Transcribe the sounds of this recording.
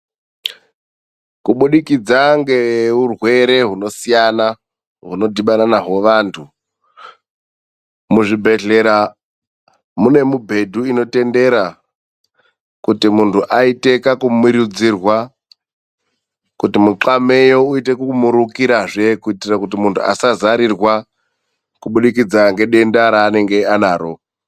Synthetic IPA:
kuɓuɗikid͡zaŋɡe̞eɦurwe̞ɾe̞ɦuno̞sijana | ɦunodʱiɓananaɦo̞ʋaːntʰu | muʐibʱe̞ɮe̞ɾa | mune̞mubʱe̞dʱuino̞te̞nde̞ɾa | kutimuntʰuʔaite̞kakumwiɾud͡zirwa | kutimuǁame̞jo̞uite̞kumuɾukiɾaʐe̞kuitirakutimuntʰuʔa̰sazaɾirwa | kuɓuɗikid͡zaŋɡe̞ɗe̞ndaɾaːne̞ŋɡe̞anaːɾo̞

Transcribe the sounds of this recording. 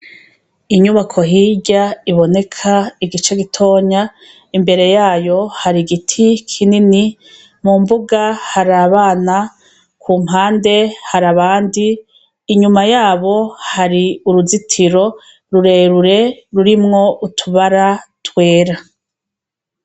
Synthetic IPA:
iɲuβakʰo̞ɦiɟaiβo̞ne̞kʰaiɡit͡ʃe̞ɡitʰo̞ːɲa | imbe̞ɾe̞jaːjo̞haɾiɡitʰikʰinini | mumbuɡahaɾaβaːna | kʰuːmɦaːnde̞haɾaβaːndiː | ɲumajaːβo̞haɾiuɾuzitʰiɾo̞ | ɾuɾe̞ɾuɾe̞ɾuɾimŋo̞ʔutʰuβaɾatwe̞ːɾa

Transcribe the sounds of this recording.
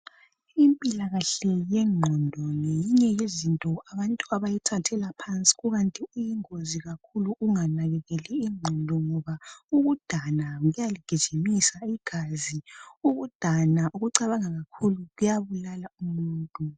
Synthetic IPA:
impʼilaɣaɬɛjɛŋ͡ǃʱɔndʱɔŋejiɲɛjezintʼɔaβantʼuaβajitʰatʰɛlapʰant͡sʼi̥ɣuɣantʼiijiŋoziɣakʰuluuŋanaɣɛɣɛlɛiŋ͡ǃʱɔndʱɔŋɔβauɣud̥ʱanaɣujaliɡ̥ʱid̥ʒ̥ʱimisaiɡ̥ʱaziuɣud̥ʱanaʔuɣuǀaβaŋaɣakʰuluɣujaβulalaumuːntʼu

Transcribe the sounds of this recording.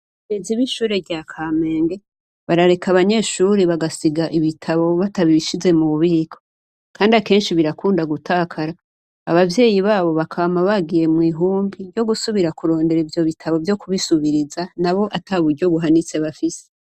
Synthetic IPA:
ɡeziβiʃuːɾeɟjakʰameːŋɡe̞ | βaɾaɾe̞kaβaɲe̞ːʃuːɾeβaɡasiɡaʔiβitʰaβo̞βataβiβiʃize̞muuβiːkʰo | kʰaːndiake̞ːnʃiβiɾakuːndaɡutʰaːkʰaɾa̰ː | βavje̞ːjiβaːβo̞βakʰamaβaɡije̞mŋiːɦuːmbijo̞ɡusuβiɾakuɾo̞ːnde̞ɾivjo̞βitʰaβo̞vjo̞kuβisuβiɾizanaβo̞ʔataβudɟo̞βuɦanit͡se̞βafise̥

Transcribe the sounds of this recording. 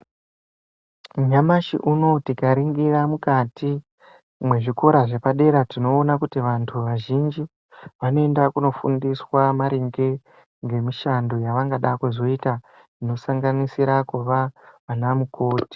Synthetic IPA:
mɲamaʃḭʔuno̞tikaɾiŋɡiramukati | mwe̞ʐiko̞ɾaʐe̞paɗe̞ɾatino̞ːnakutiʋantʰuʋaʒind͡ʒi | ʋano̞e̞ndakuno̞fṵndiswamaɾiŋɡe̞ | ŋɡe̞miʃando̞jaʋaŋɡaɗakwuzo̞ita | ino̞saŋɡanisiɾakuʋaʋanamuko̞ːti̥

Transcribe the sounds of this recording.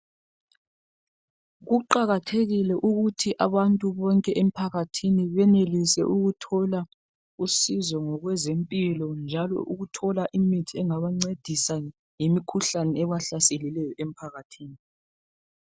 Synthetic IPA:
ɣuǃaɣatʰeɣilɛʔuɣutʰiʔaβantʼuβɔŋkʼɛʔem̩pʰaɣatʰiniβɛnelisɛ̰ʔuɣutʰɔla | usizɔŋɔɣwɛzempʼilɔnd͡ʒʱalɔ̰ʔuɣutʰɔlaʔimitʰiɛŋaβaŋ͡ǀed̥ʱisa | jimikʰuɬanɛɛβaɬaselilɛjɔʔem̩pʰaɣatʰiːni

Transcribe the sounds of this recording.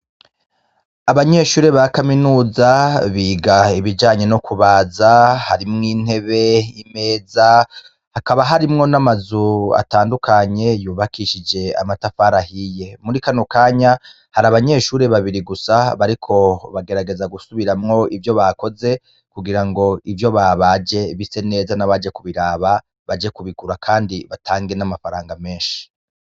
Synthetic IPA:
aβaɲe̞ʃuːɾe̞βakaminuːzaβiːɡaiβid͡ʒaːɲe̞no̞kʰuβaːzahaɾimŋiːn̥e̞βe̞ime̞ːza | hakaβaɦaɾimŋo̞namazua̰taːndukaɲe̞juːβakʰiʃid͡ʒe̞a̰matafaːɾahije̞muɾikanokaːɲa | haɾaβaɲe̞ːʃuːɾeβaβiɾiɡusaβaɾikʰo̞βaɡe̞ɾaɡe̞zaɡusuβiɾamŋo̞ʔivjo̞βako̞ze̞ | kuɡiɾaŋɡo̞ivjo̞βaβaːd͡ʒe̞βise̞ne̞ːzanaβad͡ʒe̞kuβiɾaːβa | βad͡ʒe̞kuβiɡuɾakʰaːndiβatʰaːŋɡe̞namafaɾaːŋɡame̞ːnʃi̥

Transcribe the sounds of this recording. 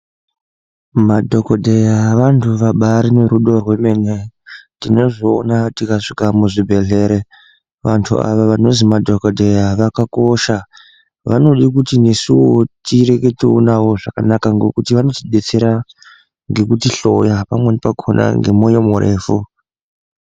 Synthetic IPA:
madʱo̞kodʱejaʋantʰuʋaɓaɾineɾuɗo̞rwe̞me̞netino̞ʐoːnatikaʂikamuʐibʱe̞ɮe̞ɾe | ʋantʰṵa̰ʋaʋano̞zimadʱokodʱe̞jaʋakako̞ʃa | ʋano̞ɗikutine̞siwotiɾe̞ke̞tiunawo̞ʐakanakaŋɡo̞kutiʋano̞tiɗe̞t͡se̞ɾa | ŋɡe̞kutiɬo̞japamwe̞nepakʰona̰ŋɡe̞̰mojomurʔe̞̰ːfu

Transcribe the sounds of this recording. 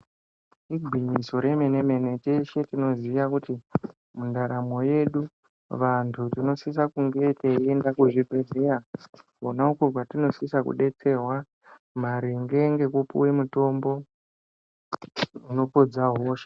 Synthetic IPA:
iɡʱwiɲiso̞ɾe̞me̞ne̞me̞ne̞teʃe̞tino̞ziiʋakuti | mundaɾamo̞je̞ɗu | ʋantʰutino̞sis̬akuŋɡe̞teiendakuʐibʱe̞ze̞ra | onaukoɡwatino̞sisakṵɗe̞t͡se̞rwa | maɾiŋɡe̞ŋɡe̞kupṵwemuto̞mbo̞ | uno̞po̞d͡zaɦo̞ːʃḁ

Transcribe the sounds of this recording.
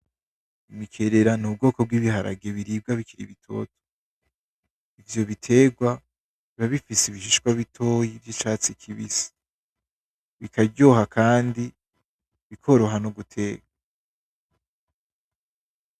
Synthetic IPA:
imikʰe̞ɾe̞ɾanub̚ɡo̞ːko̞b̚ɡiβihaɾʔa̰ɡe̞βiɾib̚ɡaβikʰiɾḭβitʰo̞̰to̥ | ivjo̞βitʰe̞ːɡwa | βaβifiseiβiʃiʃkwaβitʰo̞jivɟit͡ʃaːt͡sikʰiβisi̥ | βikʰabɟo̞ːhakʰaːndi | βikʰo̞ɾo̞ɦanoɡutʰe̞ːɡa

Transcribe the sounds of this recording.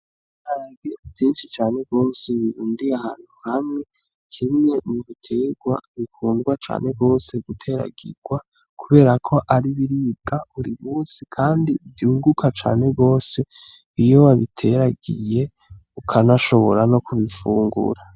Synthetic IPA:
haɾaɡebjiːnʃit͡ʃaːne̞ɡɡo̞ːse̞βiɾuːndiaha̰ːn̥huhamŋe̞ | kʰimŋe̞muβitʰe̞ɡwaβikʰuːnɡwat͡ʃa̰ːne̞bɡo̞ːse̞ɡutʰe̞ɾa̰ɡ̥ḭɾɡ̥wa | kʰuβe̞ːɾakʰo̞ʔaɾiβiɾiːbɡauɾimuːsikʰaːndibjuːŋɡukʰat͡ʃa̰ːne̞ɡo̞ːse̞ | ijo̞waβitʰe̞ɾaɡije̞ | ukʰanaʃo̞βo̞ɾano̞kʰuβifuːŋɡṵɾa

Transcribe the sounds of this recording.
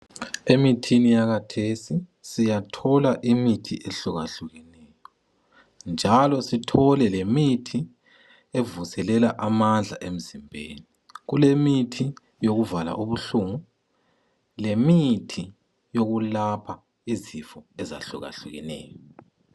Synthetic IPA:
emitʰinijakatʰesisijatʰɔlaʔimitʰiʔeɬuɣa̰ɬuɣinɛːjɔ | nd͡ʒʱalɔsitʰɔlɛlemitʰi | evusɛlɛlaʔamand͡ɮʱa̰ʔem̩zimbʱḛːni | ɣulemitʰi | joɣuvala̰ʔuβuɬuŋu | lemitʰi | joɣulapʰa | izifɔɛza̰ɬṵɣa̰ɬuɣḭnɛ̰ːjɔ

